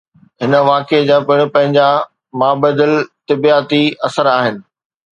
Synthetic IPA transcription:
ɦɪnə̆ʋaːked͡ʑaːpɪɪɽ̃pɐ̃ɦɪ̃ɲd͡ʑa | maːbəd̪əlt̪ɪbiaːt̪iɐsəɾaːɦɪnɪ̆

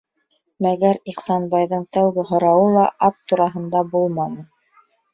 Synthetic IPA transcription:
mæɡæɾiqsɑnbɑjðɤɴt̪æwɡɘɦŏɾɑwɤlˠɑʔɑp̚t̪uɾɑɦɤ̆nd̪ɑbulˠmɑnɤ

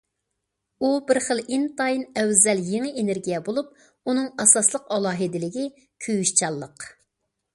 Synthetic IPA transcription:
ubɪɾχəlˠint̪ɑjinɛwzɛljeŋɪʔeneɾɡʲijɛbolˠup̚ | unɨŋɑsɑslˠəqɑlˠɑːɦɪd̪ɪlɪɡʲi | kʲʰyjyʃt͡ʃʰɑlˠːəq

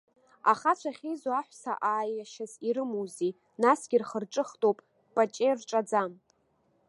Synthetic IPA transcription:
a̰χat͡ʃʷʰaχʲejzoaħʷsa̰ʔaːjaʃaziɾɨmowzi | nasɡʲɪrχərʈ͡ʂʼɨχtʼowpʼ | pʼat͡ʃʼerʈ͡ʂʼad͡zam

